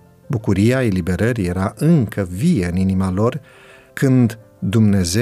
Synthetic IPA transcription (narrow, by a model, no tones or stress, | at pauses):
bukuɾijae̞libe̞ɾəɾije̞ɾaʔɨŋkəvijeɨninimalo̞r | kɨnd̪ | d̪umne̞ze